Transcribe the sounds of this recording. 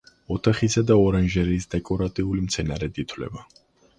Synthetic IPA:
ɔt̪ʰaχisad̪aɔɾanʒɛɾisd̪ɛkʼɔɾat̪ʼiulimt̪sʰɛnaɾɛd̪it̪ʰwlɛ̰ba

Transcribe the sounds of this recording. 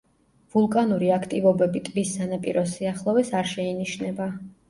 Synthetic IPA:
vulˠkʼanuɾiakʰt̪ʼivɔbɛbit̪ʼbisːanapʼḭɾɔsiaχlˠɔvɛsaɾʃɛiniʃnɛba

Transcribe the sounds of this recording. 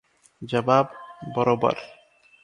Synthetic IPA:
d͡ʑababːɔɾobɔ̰ɾ

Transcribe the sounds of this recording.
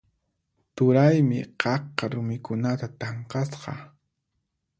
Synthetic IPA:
t̪ʊɾajmɪqɑqqːɑɾʊmɪkʊnat̪at̪ɑɴqɑsqɑ

